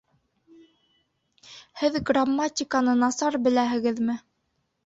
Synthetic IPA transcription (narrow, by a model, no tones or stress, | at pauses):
hɘðɡramːatʲɪkanɤnɑsɑɾbɘ̆læɦɘ̆ɡɘðmɘ